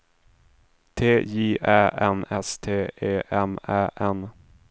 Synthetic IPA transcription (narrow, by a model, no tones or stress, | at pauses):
t̪ʰeːjiːʔæːʔɛnɛst̪ʰeːʔeːʔɛmæːʔɛn